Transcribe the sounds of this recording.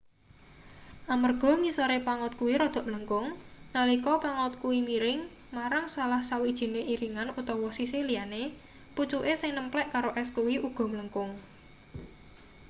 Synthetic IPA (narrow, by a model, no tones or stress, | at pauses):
ʔamərɡ̥ɔ̤ŋisoɾepaŋɔt̪̚kuwiɾɔd̪̥ɔ̤ʔmləŋkʊŋnalikɔpaŋʊt̪̚kuwimiɾɪŋ | maɾaŋsalahsawid̥ʒ̥i̤neʔiɾiŋanut̪ɔwɔsisɪliane | put͡ʃuʔesɪŋnəmplɛʔkaɾoʔɛskuwiʔuɡ̥ɔ̤mləŋkʊŋ